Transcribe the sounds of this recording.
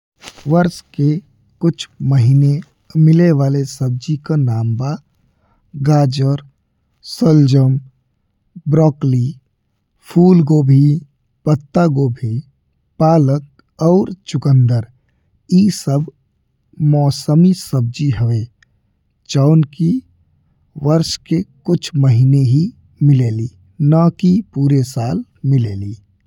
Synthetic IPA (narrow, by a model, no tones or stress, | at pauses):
ʋəɾske | kʊt͡ʃʰməɦiːne | mɪleʋaːlesəb̚d͡ʒikanaːmba | ɡaːd͡ʒəɾ | səld͡ʒəm | bɾɔːkli | pʰuːlɡoːbʱi | pət̪ːaɡobʱi | paːlək̚ | ɔːɾt͡ʃʊkə̃nd̪əɾ | isəb | mɔːsəmisəb̚d͡ʒiɦəʋeː | t͡ʃaːnki | ʋəɾʃkekʊt͡ʃʰməɦineɦi | mɪleːliː | nakipuːɾesaːlmɪleːliː